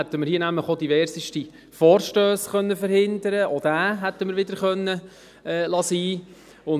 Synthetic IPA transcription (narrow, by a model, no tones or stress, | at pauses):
æt̪ːəməɾhiːnæmləχɔd̪iʋɛɾsiʃti | fɔːɾʃtøːsχœnːəfəɾhɪnd̪əɾəʔod̥æːɦæt̪ːəməɾʋɪd̪əɾχœnːə | ɛːlɑsiː | ʊn